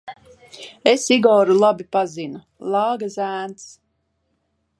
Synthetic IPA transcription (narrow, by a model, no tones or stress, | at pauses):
esiɡɔːɾulˠabipazinu | lˠɑːɡazæːnt̪s